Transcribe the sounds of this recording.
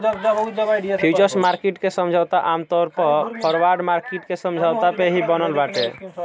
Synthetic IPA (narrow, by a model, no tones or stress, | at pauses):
pʰit͡ʃəɾsmaɾkiʈkesəmd͡ʒʱawt̪aʔamt̪ɔɾpɔpʰəɾwaɾɖmaɾkiʈkesəmd͡ʒʱawt̪apeɦibənəlbaʈe